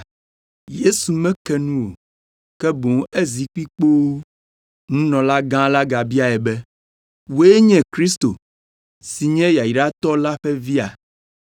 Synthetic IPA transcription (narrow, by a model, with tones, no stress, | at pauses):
je˦su˨mɛ̃˦kɛ˦nũ˦wo˨ | kɛ˦bõ˨ŋ˦e˦zi˨k͡pi˦k͡po˦w | ŋũ˦nɔ̃˨la˦ɡã˦la˦ɡa˨bi˦a˨ɛ˨bɛ˦ | wo˦e˦ɲɛ̃˨kɾi˦st̪o˨ | si˨ɲɛ̃˦ja˨ji˨ɖa˦t̪ɔ˦la˦ɸɛ˦vi˦a˨